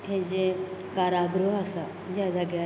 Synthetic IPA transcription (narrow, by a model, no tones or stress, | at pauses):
ɦẽd͡ʑekaɾaɡɾuɦasa | d͡ʑad̪aɡja